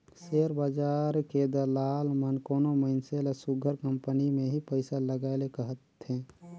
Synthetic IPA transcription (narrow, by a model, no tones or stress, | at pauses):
seːɾbad͡ʒaːɾked̪əlaːlmənkoːnoməɪnselsʊɡʱəɾkə̃mpənimẽɦipəɪsaləɡaɪlekəɦət̪ɦɛ̃ː